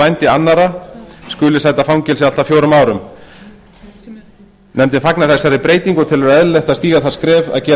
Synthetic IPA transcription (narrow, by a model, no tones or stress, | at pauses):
ajnt̪ɪanːaɾaskʏːlɪsaːjt̪afawŋcɛlsɪalt̪afjowɾʏmaːwɾʏm | nɛmt̪ɪnfaknaθɛsːaɾɪpɾeːjt̪iŋkɔt̪ʰɪlɛɾɛðleht̪ast̪iːɣaðθaðskɾɛːva̰ðcɛː